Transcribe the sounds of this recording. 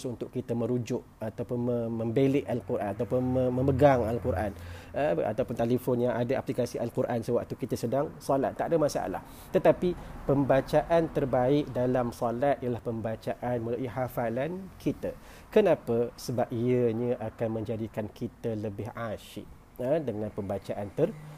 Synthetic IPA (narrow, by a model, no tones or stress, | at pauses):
sunt̪ʊʔkit̪əmə̃ɾud͡ʒʊʔ̚at̪awpʊnəməmbeleʔalkuɾʔa̰nat̪awpʊnəmə̃məɡaŋalkuɾʔa̰nəa̰t̪awpʊnt̪alifɔnjaŋʔadaʔaplikasiʔalkuɾʔansəwaʔ̚t̪ukit̪əsədaŋsola̰t̪ːaʔdəmasaa̰la̰h | t̪ət̪apipəmbat͡ʃaʔant̪ərbaɪk̚dalamsolat̪̚ijəlahpəmbat͡ʃaʔanməlaʔiɦafalankʰit̪a | kənãpəsəbap̚iəɲəʔakanmə̃ɲd͡ʒadikankʰit̪ələbɪɦaʃɪ̰ʔ | ədəŋãnpəmbat͡ʃaʔant̪ər